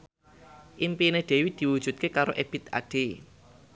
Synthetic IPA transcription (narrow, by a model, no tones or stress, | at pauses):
ʔimpineɖ̥e̤wid̪̥i̤wud̥ʒ̥ṳt̪̚kekaɾoʔeb̥it̪a̰ɖ̥e